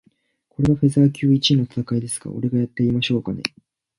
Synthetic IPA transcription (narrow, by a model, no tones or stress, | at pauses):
ko̞ɾe̞βaɸe̞zaːkʲɨːit͡ɕinːo̞t̪ḁt̪akaid̪e̞sɨ̥ɡa̰o̞̰ɾe̞ɡajat̪ːe̞imaɕo̞ːkane̞̰